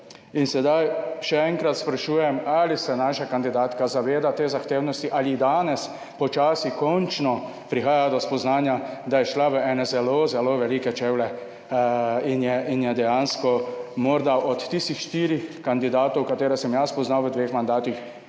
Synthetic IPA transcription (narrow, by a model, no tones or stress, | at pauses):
insɛd̪ajʃɛɛŋkɾat̪spɾaʃuːjɛmalisɛnaːʃakand̪id̪aːt̪kazaʋeːd̪at̪eːzaxt̪eːwnɔst̪iʔalid̪aːnɛs | pɔt͡ʃaːsikɔnt͡ʃnɔ | pɾixaːjad̪ɔspɔznaːnjad̪ajɛʃlaʋəɛːnɛzɛlozɛloʋɛlikɛt͡ʃewlɛ | injɛʔinjɛd̪ɛjanskɔmɔɾd̪aʔɔt̪ːist̪ixʃt̪iːɾixkand̪id̪aːt̪ɔwkat̪eːɾɛsɛmjaspɔznawʋəd̪ʋeːxmand̪aːt̪ix